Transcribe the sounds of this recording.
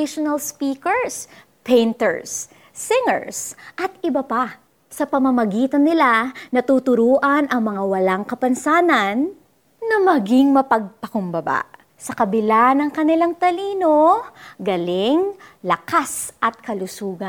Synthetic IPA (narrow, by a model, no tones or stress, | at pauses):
ɪʃonɐlspiːkɛɹs | pɛjnt̪ɛ̰ɹsː | ɪŋɛ̰ɹsʔɐt̪ɪbɐpa | sɐpɐmɐmɐɡiːt̪ɐnːɪlanɐt̪uːt̪ʊɾuːʔɐnʔɐŋmɐŋawɐlaŋkɐpɐnsaːnɐnː | ɐmɐɡɪŋmɐpɐɡ̚pɐkʊmbɐba̰ʔ | sɐkɐbɪlanɐŋkɐnɪlaŋt̪ɐliːnoɡɐlɪŋlɐkasʔɐt̪̚kɐlʊsuːɡɐ